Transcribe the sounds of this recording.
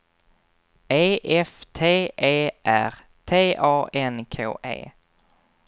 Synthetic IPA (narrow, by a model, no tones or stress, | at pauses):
eɪʔɛft̪ʰeːʔeːʔæ̰ʁ | t̪ʰeːʔɑːʔɛnkʰeo̰ːʔḛː